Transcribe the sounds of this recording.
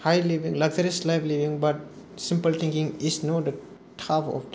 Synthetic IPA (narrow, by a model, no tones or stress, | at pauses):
haɪliʋɪ̃ŋlɐɡəɾɛsʈlaɪfliʋɪ̃ŋbɐʈ̚ | sɪ̃mpəlt̪ʰɪ̃ŋkɪ̃ŋɪsnoːd̪ə | ʈʰafɔ̰f